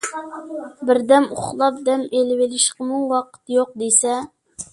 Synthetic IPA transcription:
bɪɾd̪ɛmuχlˠɑp̚d̪ɛmelɪwɪlɪʃqəmuŋwɑqʰə̥t̪joq̚d̪esɛ

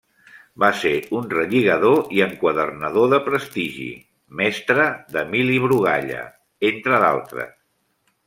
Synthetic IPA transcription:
baseunrəʎiɣəðoiəŋkwəðərnəðoðəpɾəst̪iʒḭ | mɛst̪ɾəðəmiliβɾuɣ̞a̰ʎə̰ | ent̪ɾəða̰lˠt̪ɾə̰s

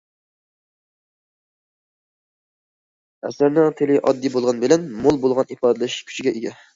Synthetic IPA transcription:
ɛ̰sæɾnɪŋt̪ʰɪlɪʔɑ̰d̪ːibolˠʁɑnbɪlɛnmolˠbolˠʁɑnipʰɑːd̪ɨlɛʃkʲʰy̥t͡ʃʰiɡʲɛʔeɡʲɛ

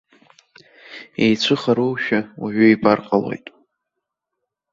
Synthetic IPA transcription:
ejt͡ɕʷʰɨχaɾowʃᶣawa̰ʕʷᶣʊiparqʼalo̞̰jtʼ

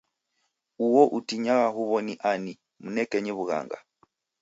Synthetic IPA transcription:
uwɔʔutiɲaɣaɦuβɔniʔani | munɛkɛɲɛβuɣa̰ːŋɡa̰

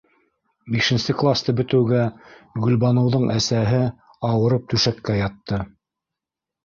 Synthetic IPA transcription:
biʃɘ̆nsɘklˠast̪ɤbɵ̆t̪ɘ̆wɡæɡɵ̆lbɑnɤ̆wðɤɴʔæsæɦɘ | ɑwɤ̆ɾɤp̚t̪ʉʃækːæjɑt̪ːɤ

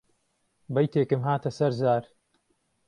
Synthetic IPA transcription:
bɐjt̪eːkɨmɦaːt̪ɐsɐɾzaːɾ

